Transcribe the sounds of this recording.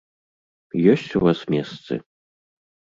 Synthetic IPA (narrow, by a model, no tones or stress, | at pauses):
jɔsʲt͡sʲuvasmʲɛst̪sɨ̰